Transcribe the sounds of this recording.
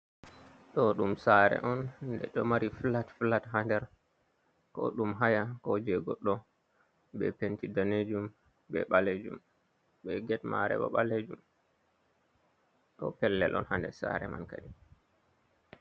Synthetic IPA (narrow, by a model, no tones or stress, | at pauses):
ɗɔɗumsaɾɛ̰ʔɔndɛ̰ɗɔmaɾifilatfilatɦandɛɾ | kɔ̰ɗumɦajakɔd͡ʒɛɡɔɗːɔ | bɛpentidaned͡ʒum | bɛ̰ɓaled͡ʒum | ɓɛɡɛtma̰ɾɛ̰ɓɔ̰ɓaled͡ʒum | ɗɔ̰pɛlːɛ̰lʔɔ̰nhandɛsa̰ɾɛma̰nkaɗi